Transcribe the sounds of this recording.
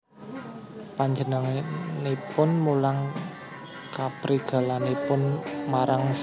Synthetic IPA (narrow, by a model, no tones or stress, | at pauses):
paɲd͡ʒənəŋnepʊnmulaŋ | kapɾiɡ̥a̤lanepʊnmaɾaŋs